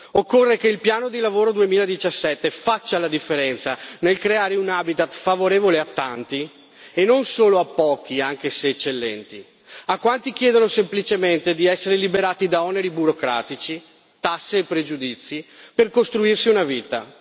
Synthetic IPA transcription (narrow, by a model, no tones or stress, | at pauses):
okːorːekeilpjaːnod̪ilavoːɾod̪uemiːlaed̪it͡ʃasːɛt̪ːefat͡ʃːalad̪ifːeɾɛnt̪sanelkɾeaːɾeunabit̪at̪favoɾeːvoleat̪ːant̪i | enonsoːloapːɔːk̟iaŋk̟eseːt͡ʃːelːɛnt̪i | akːwant̪ik̟jɛːd̪onosemplit͡ʃement̪ed̪iɛsːeɾelibeɾaːt̪id̪aɔneɾibuɾokɾaːt̪it͡ʃi | t̪asːeːpːɾed͡ʒud̪it̪sːiperkost̪ɾuirsiunaviːt̪a̰